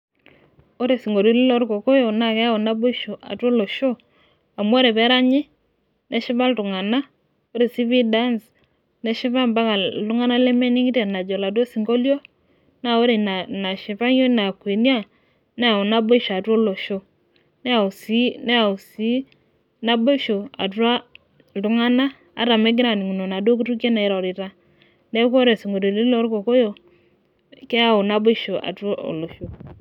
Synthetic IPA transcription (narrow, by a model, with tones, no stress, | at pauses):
o˦ɾe˨si˨ŋɡo˨lo˦lɪ˦lɔ˦ɾko˨ko˦jo˨na˦˨kɛ˦a˦ɔ˨na˦bo˦i˦ʃo˨ʔa̰˨two˦lo˨ʃo˦ | a˨m˦o˦ɾe˨bɛ˦ɾa˦ɲɪ˦ | nɛ˦ʃɪ˦ba˦ltʊ˨ŋa˨na˦ | o˦ɾe˨si˦bi˦da˦ns | nɛ˦ʃɪ˦βa˦mba˦ŋa˨tʊ˦ŋa˦na˦le˦me˦ni˦ŋi˦te˨na˨d͡ʒɔ˨la˨t̬wo˦si˨ŋɡo˦ljo˦ | na˦˨o˦ɾe˨na˨na˨ʃɪ˨pa˦ŋjo˦na˨kwe˨nja˦˨ | nɛ˦a˨o˨na˦bo˦ʃa˨to˦lo˨ʃo˦ | nɛ˦a˨u˨si˦nɛ˦a˨u˨si˦ | na˦bo˦ʃo˨a̰˨ta˦ | lu˨ŋa˦na̰ː˦˨˦ | ɾa˨me˦ɡ̬ɪ˦ɾa˨ni˨ŋu˨no˨na˨do˦k̬u˦tu˦ke˦na˨i˨ɾaɔ˨ɾi˨ta˦ | ne˦ko˦ɾe˨si˨ŋɡo˨lo˨di˦lo˦ɾko˨ko˦jo˨ | ke˦a˦˨o˨na˦bo˦ʃo˨ʔa̰˨to˦o̰˨lo˨ʃo˨